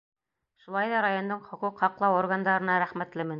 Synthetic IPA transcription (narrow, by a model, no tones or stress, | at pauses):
ʃulˠɑjðɑɾajo̞nd̪ɤɴχŏquqhɑqlˠɑwoɾɡand̪ɑɾɤ̆nɑɾæχmæt̪lɘmɘ̆n